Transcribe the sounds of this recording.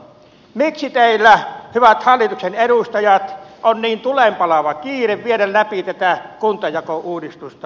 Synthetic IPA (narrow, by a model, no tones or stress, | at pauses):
miksit̪eˑilːˑæhyʋæt̪hɑlːˑit̪ukseneɾust̪ɑjɑt̪ʔonniːnt̪ulempɑlɑʋɑkiːreʋʋieɾælːæpit̪æt̪ækunt̪ɑjɑkoʔuːdist̪ust̪ɑ